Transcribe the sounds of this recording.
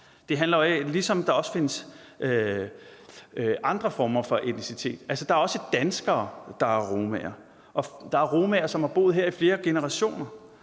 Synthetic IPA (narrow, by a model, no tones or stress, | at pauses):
d̥e̝ɦænlɐlisɒ̽md̥ɑ̈ɒ̽sfe̝nəsʔø | ɑ̈nd̥ʁɐfɒːmɐfɒ̽ʔe̝d̥nisit͡sʰe̝̰ːd̥ælsəd̥ɑ̈æɐɒ̽səd̥ænsɡ̥ɐːd̥ɑ̈æɐʁoːmɛ̰ɐ | ʔɒ̽d̥ɑ̈æɐʁo̝ːmæɐsɒ̽mhɑ̈b̥o̝̰ːð̩ˠɦeɐ̰ifle̝ːɐɡ̥e̝nəʁɑ̈ɕo̝̰ːnɐ